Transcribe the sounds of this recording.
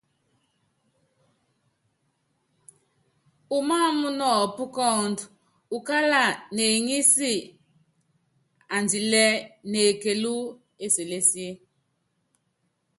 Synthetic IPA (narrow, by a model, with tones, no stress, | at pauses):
u˨ma˦˨mu˦nɔ˦˨pu˦kɔ˦˨nd | u˨ka˦la˨ne˨ŋi˦si˦ | a˨ndi˨lɛ˦ne˨ke˨lu˦ | e˦se˨le˦si˦e˦